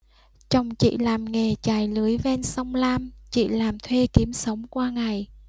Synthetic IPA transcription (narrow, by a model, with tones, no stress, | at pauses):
t͡ɕɔ˨˩wŋ͡mt͡ɕḭ˧˨laː˨˩mŋe˨˩t͡ɕaː˨˩jlɨ˨˦əjvɛ˧nsa˧wŋ͡mlaː˧mt͡ɕḭ˧˨laː˨˩mt̪ʰwe˧ki˨˦əmsə˨˦wŋ͡mkwaː˧ŋa˨˩j